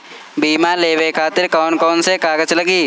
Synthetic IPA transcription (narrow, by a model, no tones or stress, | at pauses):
biːmãːleːwekʰaːt̪ɪɾkɔːnkɔːnsekaːɡət͡ʃləɡiː